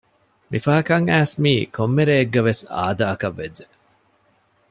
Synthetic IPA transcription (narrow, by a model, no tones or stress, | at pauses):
mifɐɦɐkɐŋæːsmiːkʰomːeɾeːɡːɐʋesa̰ːd̪aːɐkɐʋːed͡ʒd͡ʒe